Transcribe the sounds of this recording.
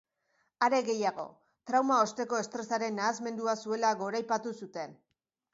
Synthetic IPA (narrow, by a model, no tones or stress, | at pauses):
aɾe̞ɣe̞jaɣo̞̰ | t̪ɾawmao̞st̪e̞ko̞e̞st̪ɾe̞saɾe̞nːaːzme̞nd̪uasue̞laɣo̞ɾajpat̪usut̪e̞n